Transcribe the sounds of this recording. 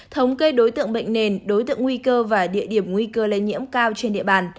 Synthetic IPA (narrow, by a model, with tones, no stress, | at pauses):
t̪ʰə˨˦wŋ͡mkə˧jɗo˨˦jt̪ɨ̰˧˨əŋɓə̰˧˨jŋ̟ne˨˩nɗo˨˦jt̪ɨ̰˧˨əŋwi˧kəː˧vaː˨˩ɗḭ˧˨əɗi˧˩əmŋwi˧kəː˧lə˧jɲḭ˧˥əmkaː˧wt͡ɕe˧nɗḭ˧˨əɓaː˨˩n